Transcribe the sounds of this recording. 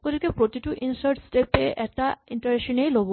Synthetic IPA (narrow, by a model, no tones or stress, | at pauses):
poɾikepɾot̪iʈuʔinsaɾʈsʈepeʔɛk̚ʈaiɳʈɐɾeʃonejlob